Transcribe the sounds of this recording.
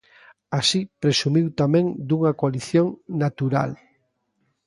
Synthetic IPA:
asipɾesumiwt̪amẽŋd̪uŋɐkoaliθjoŋnat̪uɾa̰l

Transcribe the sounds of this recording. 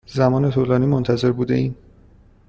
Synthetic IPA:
zæmɒːne̞t̪ʰuːlɒːniːmont̪ʰæze̞ɾbuːd̪e̞iːn

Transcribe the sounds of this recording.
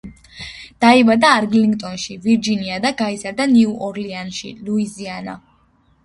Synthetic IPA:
d̪̥aibad̪aːɾɡliŋɡt̪ʼɔnʃiviɾd͡ʒiniad̪aɡaizaɾd̪aniuʔɔɾlianʃḭluiziana̰

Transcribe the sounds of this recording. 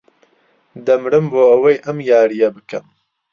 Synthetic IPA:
d̪ɐmɾɨmboːɐwɐjʔɐmjaːɾijɐbɨkʰɐ̰m

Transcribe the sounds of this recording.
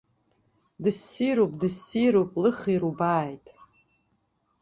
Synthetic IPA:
dɨsiɾopʼdɨsiɾopʼlɨχiɾubaːjtʼ

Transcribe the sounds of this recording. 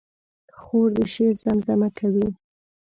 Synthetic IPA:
xoɾd̪əʃeɾzamzamakʰawi

